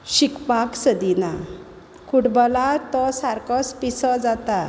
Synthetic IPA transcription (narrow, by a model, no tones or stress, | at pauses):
ɕikpaksəd̪ina | kʰuʈbɔlat̪ɔsaɾkɔspisɔd͡zat̪a